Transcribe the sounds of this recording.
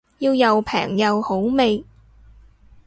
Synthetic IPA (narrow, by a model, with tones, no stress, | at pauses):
jiː˧wjɐ˨wpʰɛ̰ː˨˩ŋjɐ˨who˨˥wme˨j